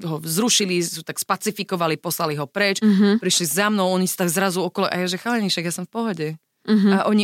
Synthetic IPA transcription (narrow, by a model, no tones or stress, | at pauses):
ɦɔzɾuʃilisɔt̪akspat͡sifikɔʋalipɔslaliɦɔpɾɛt͡ʃɦpɾiʃlizamnɔʊɔɲisḁt̪aɡzɾazuɔkɔlɔʔa̰jɛʒɛxalɛɲiʃɛɡjasɔmfpɔɦɔɟɛ | ɦaʔɔɲi